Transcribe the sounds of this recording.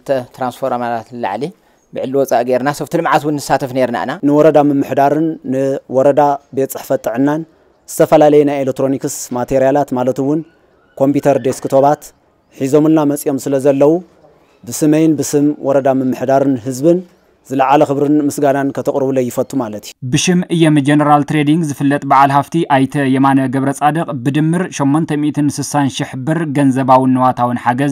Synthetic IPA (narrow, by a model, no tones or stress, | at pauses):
ɨt̪ʰɐt̪ɾansfʰoɾamatat̪lɨla̰ʕli | bɨʕɨlːiwɔt͡sʼaʔɡeɾnasɐft̪ʰɨlɨmʕat̪wunːɨsːat̪ʰɐfneɾna̰ɨ̰nanɨwɔɾɐd̪amɨmːɨħd̪aɾɨnːɨwɔɾɐd̪abet̪t͡sʼːɨħfɐt̪ʼːɨʕɨnːan | z̥ɨt̪ʰɐfɐlalɐjɛnajelek̚t̪ɾo̞nikɨsmat̪ʰeɾijalat̪malɐt̪ɨwʊn | kʰo̞mpʰut̪ʰɐɾd̪eskʰɨt̪ʰo̞βat̪ | ħizo̞mɨlnamɐt͡sʼijo̞msɨlɐzɐlːɐwu | bɨsɨmɐjnbɨsɨmwʔɔɾɐd̪amɨmːɨħd̪aɾɨnɦɨzbɨn | z̥ɨlɐʕalɐxɨβɾɨnmɨsɡanankʰɐt̪ʰɐkʼɾɨβulɐjːɪfɐt̪ʼumalɐt̪ʰiubɨʃɪmɨjːomd͡ʒenɐɾalt̪ɾed̪iŋɡzɨfɨlːɐt̪ʼbaʕalhaft̪ʰiʔajt̪ʰɐjɛmanɐɡɐβɾɐt͡sʼad̪ɐqʼbɨd̪ɨmːɨɾʃomːont̪ʰɐmiʔt̪ʰɨnsɨsanʃɪħbɨɾɡɐnzɐbawɨnːɨwat̪ʰawɨnħaɡɐz